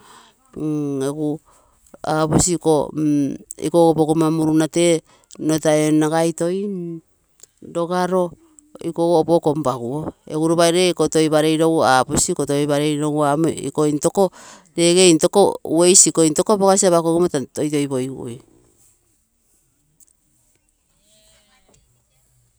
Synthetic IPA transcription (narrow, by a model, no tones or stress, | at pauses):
eɡu | apusiko̰ | ikoɡobokomamuɾunate̞ | notaenaɡajto̞j | ɾoɡaɾo̞ | ikoɡoboko̞mbaɡuoḛɡuɾuβajɾeikoto̞jβaɾe̞jɾowapusikotojβaɾe̞jɾowamḛḭkointo̞ko̞ | ɾe̞ɡejnto̞kouejsikointo̞kopoɡasiaβakoɡumatatojto̞jbo̞jɡṵʔj